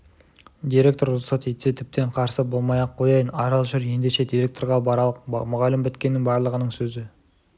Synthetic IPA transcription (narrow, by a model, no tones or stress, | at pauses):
d̪ʲiɾʲe̞k̚t̪o̞ɾʊlˠsɑt̪ejt̪et̪ʰɪp̚t̪e̞ɴqʰɑɾsəbo̞lˠmɑjɑqʰːo̞jɑjənɑɾɑlˠʒʏɾje̞nd̪e̞ʃe̞d̪ijɾʲe̞k̚t̪o̞ɾʁɑb̪ˠqmʊʁɑlɪmbɪt̪kʲe̞nːɪŋbɑɾlˠəʁənəɴsɵzɪ